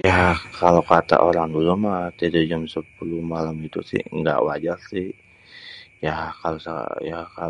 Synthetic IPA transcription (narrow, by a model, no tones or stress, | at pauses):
jakʰalowkat̪a̰ʔoɾaŋdulumat̪idad͡ʒamsəpulumalamit̪ṵsɪ̰hŋɡa̰ʔwad͡ʒarsɪh | jakalosa̰jaka